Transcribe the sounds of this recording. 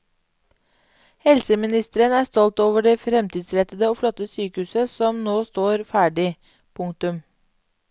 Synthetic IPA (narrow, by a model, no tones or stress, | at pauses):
hɛlsəmɪnɪst̪əɾənæːst̪ɔlt̪oːʋəɖeːfɾɛmt̪ʰiːd̪sɾɛt̪əd̪əoːflɔt̪ːəsyːkəhʉːsəsɔmnoːst̪oːɾfæːɖɪ | pʰʊŋkt̪ʉm